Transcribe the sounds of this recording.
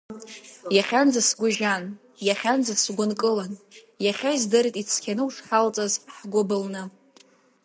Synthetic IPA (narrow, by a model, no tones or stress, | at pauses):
jaχʲand͡zasɡʷʊʒan | jaχʲand͡zasɡʷʊnkʼɨlan | jaχʲaizdɨɾitʼit͡sʰkʲʰanɨuʂħalt͡sʼazħɡʷobɨlnɨ